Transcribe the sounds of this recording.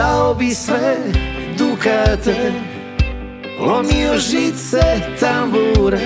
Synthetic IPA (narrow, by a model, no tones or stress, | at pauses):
aobisvɛd̪ukat̪ɛ | ɔmiɔʒit̪sɛt̪ambuɾ